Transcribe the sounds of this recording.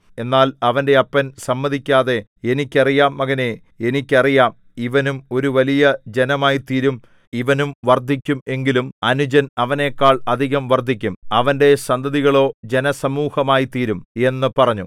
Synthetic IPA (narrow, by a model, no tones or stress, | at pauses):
e̞nːaːlɐʋɐnde̞ɐpːɐnsɐmːɐðikʲːaːðe̞e̞nikʲːɐrijaːmɐɣɐne | enikʲːɐrijaːm | iʋɐnumo̞ɾuʋɐlijɐd͡ʑe̞nɐmaːjit̪iːɾum | iʋɐnumʋɐrd̪ʱikʲːume̞ŋɡilumɐnud͡ʑɐnɐʋɐne̞ːkːaːɭɐd̪ʱiɣɐmʋɐrd̪ʱikʲːumɐʋɐnde̞sɐnd̪ɐðiɣɐɭo̞ːd͡ʑe̞nɐsɐmuːhɐmaːjit̪iːɾume̞nːɨpɐrɐɲːu